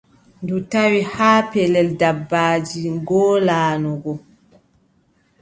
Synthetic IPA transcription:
ndutawihaːpɛlɛldabːaːd͡ʒiŋɡɔːlaːnɔɡɔ

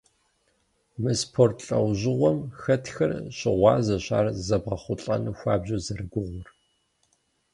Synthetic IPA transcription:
mɨspʰoːrtʰɬʼɐwʑɪʁʷɔmxɐtʰxɐrɕʼɪʁʷɑːzɐɕa̰ːrzɐbʁɐχʷʊɬʼɐ̰nɨxʷɑːbʑɐzɐrɨɡʷʊʁʷʊr

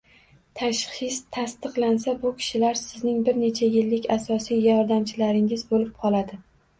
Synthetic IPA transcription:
t̪ʰaʃχɪst̪ʰast̪ɨqlˠansabʊkʲʰɪ̥ʃɪlaɾsɪznɪŋbɪɾne̞t͡ʃʰajɪlːɪkʲasɒsijjɒɾd̪amt͡ʃʰɪlaɾɪŋɪzbolɪp̚qʰɒlˠad̪ɪ

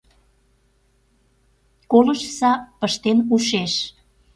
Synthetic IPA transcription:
koləʃsɑpəʃt̪enuʃeʃ

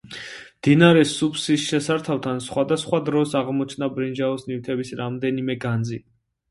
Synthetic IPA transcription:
md̪̥inaɾɛsupsisʃɛsaɾt̪ʰaft̪ʰansχwad̪asχwad̪ɾɔsaʁmɔt͡ʃʰnabɾind͡ʒaɔsnivt̪ʰɛbisɾamd̪ɛnimɛɡand̪zi

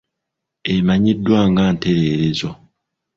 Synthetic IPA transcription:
emaɲidːwaːŋɡaːnte̞ɾeːɾezo

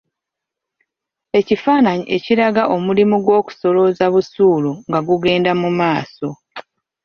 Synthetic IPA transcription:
e̞cifaːnaɲiʔe̞ciɾaɡaʔo̞mulimuɡwo̞ːku̥so̞lo̞zaβusuːluŋɡaɡuɡe̞ːndamumaːso̞

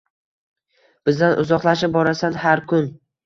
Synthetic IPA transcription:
b̥ɪzd̪anʔʊ̰zɒqlˠaʃɪp̚bɒɾasanhaɾkʰʊn

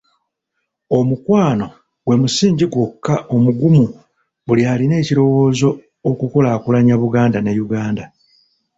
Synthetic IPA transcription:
o̞mukwaːno̞ | ɡwe̞musiːɲɟiɡwo̞kːao̞muɡumu | βuliaːline̞ːciɾo̞wo̞ːzo̞ː | kuko̞laːkulaɲaβuɡaːndanejuɡaːnda

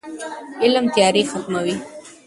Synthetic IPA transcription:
ɪlmt̪jɑɾexat̪mawi

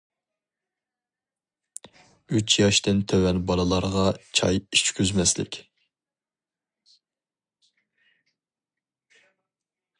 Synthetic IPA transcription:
yt͡ʃʰjɑʃt̪ɪnt̪ʰɛwɛnbɑlɨlˠɑɾʁɑt͡ʃʰɑ̰jit͡ʃkʲʰyzmɛslɪ̰kʲ

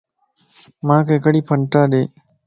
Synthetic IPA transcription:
mãːkʰeːkɽiːpʰəɳʈaːɗḛː

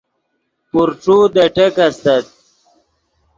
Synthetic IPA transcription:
puɾʈ͡ʂuːd̪ɐʈekɐst̪ɐt̪̚

